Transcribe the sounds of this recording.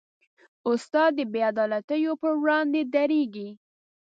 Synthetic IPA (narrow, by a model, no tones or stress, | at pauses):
ʊst̪ɑd̪ːəbead̪ɑlat̪əjopəwɽɑnd̪ed̪aɾeɡi